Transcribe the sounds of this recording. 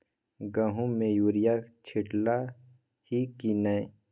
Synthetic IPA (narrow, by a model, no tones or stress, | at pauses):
ɡãɦũmẽjuːɾijat͡ʃʰɪʈla | hikinae